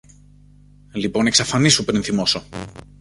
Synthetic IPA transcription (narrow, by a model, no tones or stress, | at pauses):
lipo̞ne̞ksɐfɐnisupɾinθimo̞so̞